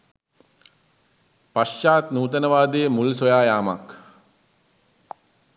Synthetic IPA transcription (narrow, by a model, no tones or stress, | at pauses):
paʃːaːt̪nuːt̪̬ənəʋaːd̪ejəmulsojaːjaːmak